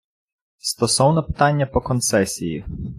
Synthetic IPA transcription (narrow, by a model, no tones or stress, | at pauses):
st̪ɔsɔwnɛpɪ̥t̪ɑnʲːɐpɔkɔnt̪sɛsʲiji